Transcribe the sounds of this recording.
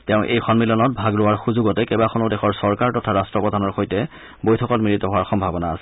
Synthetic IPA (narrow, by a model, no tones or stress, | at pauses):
tɛʊ̃ʔḛjxɔnmilɔnɔt̚bʱaɡɹʊwaɹxuzuɡɔtɛkɛbaxʰɔnodɛxʰɔɹsɔɹkaɹtɔtʰaɹastɹɔpɹɔdʱanɔɹxojtɛ | bojtʰɔkɔtmiɹitɔɦʊaɹxɔmbʱabɔnaːsɛ̥